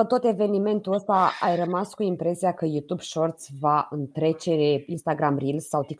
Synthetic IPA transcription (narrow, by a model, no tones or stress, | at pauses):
ət̪o̞t̪e̞ve̞nime̞nt̪uəst̪aajrəmaskuimpɾe̞siakəjut̪ubʃo̞rt̪svaɨnt̪ɾe̞t͡ʃe̞inst̪aɡɾamrilsawt̪ik